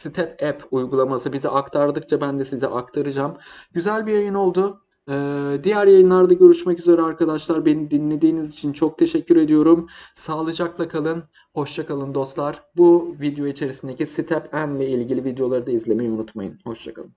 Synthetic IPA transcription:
sit̪ʰɛpʰɛpʰujɡulˠamasɯbizɛʔakt̪ʰaɾd̪ɯk̚t͡ʃʰabænd̪ɛsizɛʔakt̪ʰaɾɯd͡ʒam | ɟyzælʲbijajɯno̞lˠd̪ʊ | ɯːd̪ijæɾjajɯnlˠaɾd̪aɟø̞ɾyʃmɛcyze̞ɾɛaɾkʰad̪aʃlˠaɾbe̞nid̪inlʲe̞d̪iːnizit͡ʃʰint͡ʃʰo̞k̚t̪ʰe̞ʃɛcːyɾe̞d̪ijo̞ɾum | saːlˠɯd͡ʒaklˠakʰalˠɯn | ho̞ʃt͡ʃʰakalˠɯnd̪o̞st̪lˠaɾ̥buvid̪ejo̞it͡ʃʰe̞ɾisind̪e̞cʰisit̪ʰɛpænlʲɛilʲɟilʲivid̪ejo̞lˠaɾɯd̪aizlʲe̞mejunut̪ma̰jɯ̰nho̞ʃt͡ʃʰa̰kʰa̰lˠɯn

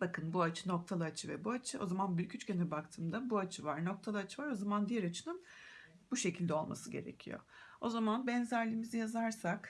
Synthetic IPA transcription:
bakʰɯnbuat͡ʃʰɯnok̚t̪ʰalˠɯat͡ʃʰɯvɛbuat͡ʃʰɯʔo̞̰zamanbylʲcʰyt͡ʃcʰɛnɛbakt̪ʰɯːmd̪abuat͡ʃʰɯvaɾno̞k̚t̪ʰalˠɯat͡ʃʰɯvaɾo̞zamand̪ijæɾat͡ʃʰɯnɯn | buʃe̞cʰilʲd̪ɛo̞lˠma̰sɯɟe̞ɾḛcʰḭjo̰o̞zamanbɛnzæɾlʲimizijazaɾsak

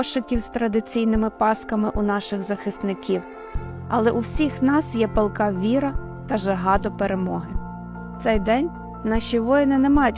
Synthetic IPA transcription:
ʃɪkʲiwzt̪ɾɐd̪ɪt͡sʲijnɪmɪpɑskɐmɪʔʊnɑʃɪɣzɐxɪst̪nɪkʲiw | ɐ̰lˠɛʔuwsʲixnɑsjɛpelˠkɑʋʲiɾɐ | t̪ɐʒeɦɑt̪ɔpeɾemɔɦɪ | t̪sɛjd̪ɛnʲ | nɑʃʲiʋɔjɪnɪnɛmɑjʊtʲ

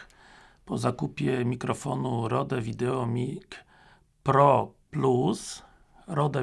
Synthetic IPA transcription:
pɔzakupʲjɛmʲikɾɔfɔnuɾɔd̪ɛvʲid̪ɛɔmʲik | pɾɔplus | ɾɔd̪ɛ

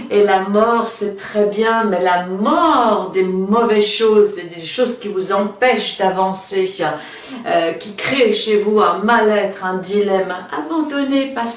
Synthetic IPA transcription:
elamɔʁsɛt̪χɛbjɛ̃mɛlamɔʁd̪emɔvɛzʃozed̪eʃozkʲivuzɑ̃pɛʃd̪avɑ̃se | økʲikχeʃevuɛ̃malɛt̪χɛ̃d̪ilɛma̰bɑ̃d̪ɔnepas

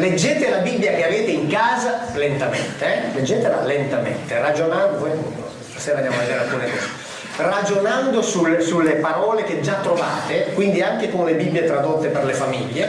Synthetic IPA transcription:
led͡ʒːeːt̪elabibːjak̟eaveːt̪eiŋkaːzalent̪amḛnt̪eɛled͡ʒːeːt̪ela̰lent̪amḛnt̪erad͡ʒonand̪ovojpunt̪o̰ | st̪aseːɾand̪jamoad͡ʒ̪eɾat̪ːuɾet̪ɛ̰ | rad͡ʒonand̪osulsulːepaɾɔːlek̟ed͡ʒːat̪ːɾova̰ːt̪ekwind̪iaŋkekonlebibːjet̪ɾad̪ot̪ːeperlefamiʎːe

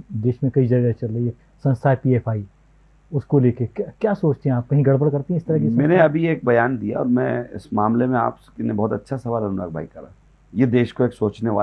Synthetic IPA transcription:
d̪eːʃmẽkɐid͡ʒɐɾɡaet͡ʃɐlɾɐie | sɐ̃nst̪ʰaːjpiːeːfʰaːi | ʊskoleːkekakjaːsoːt͡ʃt̪eɦɛ̃aːp̚kɐɦĩɡɐɽbəɽkɐɾt̪eɦɛ̃ɪst̪ɐɾɐɦkesmɛːneɐbʱieːk̚bɐjaːnd̪ija̰ɔ̰ːɾmɛ̃ɪ̰smaːmlemẽa̰ːpkinebɔːt̪ɐtːʃʰasɐʋaːlɐnuna̰k̚bʱaːikːɐɾaː | jed̪eːʃkoeːksoːt͡ʃneʋa̰ː

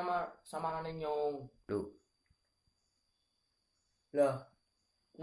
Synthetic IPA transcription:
masamaɾaneɲoŋd̥o | lah | n

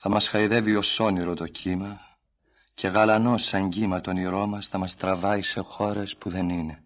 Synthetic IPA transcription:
θɐmɐsxɐiðe̞vio̞so̞niɾo̞t̪o̞cʰimɐ | cʰe̞ɣɐlɐno̞sːɐɲɟimɐt̪o̞niɾo̞mɐsθɐmɐst̪ɾɐvɐise̞xo̞ɾe̞spuðe̞nine̞

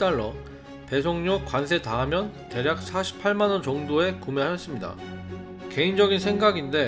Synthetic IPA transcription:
t͈aɭːʌ | pe̞sʰoŋɲok͈wans̬ʰe̞taɦːmjʌn | te̞ɾjak̚s͈ʰaɕʰi̥pʰːaɭmanʌnt͡ɕʌŋdoe̞kume̞aes͈ɯmɲida̰ | ke̞ind͡ʑʌɡinsʰe̞ŋɡaɡinde̞

